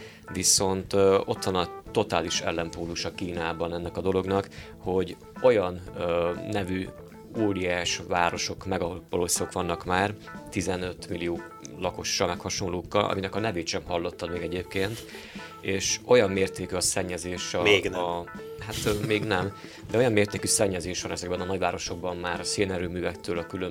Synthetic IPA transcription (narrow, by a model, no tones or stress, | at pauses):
viso̞nt̪o̞t̪ʋɒnɒt̪o̞t̪aːliʃɛ̰lːɛmpoːlːuʃɒkiːnaːbɒnɛnːɛkɒd̪o̞lo̞ɡnɒk | ho̞ɟ | o̞jɒnː | ɛvy | uːɾiaːʃʋaːɾo̞ʃo̞kmɛɡɒpɒloso̞kʋɒnːɒkmaːr | t̪izɛnøt̪milijoː | lɒko̞ʃːɒmɛkhɒʃo̞nloːkːɒlʔɒ̰minɛkɒnɛveːt̪ʃɛmhɒlːo̞t̪ːɒd̪meːɡɛɟeːp̚keːnt̪ | eːʃo̞jɒmːeːrt̪eːkyɒsɛɲːɛzeːʃɒ | hat̪meːɡnɛm | d̪ɛo̞jɒmːeːrt̪eːkysɛɲːɛzeːʃʋɒnɛzɛɡbɛnɒnɒɟvaːɾo̞ʃo̞ɡ̚bɒmːaːɾɒseːnɛɾøːmyːvɛkt̪øːlɒkylø